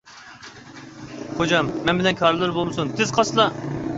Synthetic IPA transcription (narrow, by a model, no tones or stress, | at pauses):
χod͡ʒɑmːɛnbɪlɛnkʲʰɑɾɨlˠɨɾbolˠmɨsunt̪ʰɪzqʰɑslˠɑ